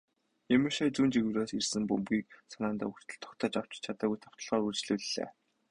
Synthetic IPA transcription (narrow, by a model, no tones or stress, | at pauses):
jemɘ̆ʃaːjt͡suːnt͡ɕiɣɘ̆wraːsirsɘ̆mpɵmpɡiːk̚sanaːnt̪a̰ːuxt̪ʰɘ̆ɮt̪ʰɔ̥xt̪ʰɔːt͡ɕaw̥t͡ɕɪ̥̆t͡ɕʰat̪aːɣujt̪ʰɔw̥t̪ɞ̆ɮʁɔːɾurt͡ɕɮuːɮɮḛː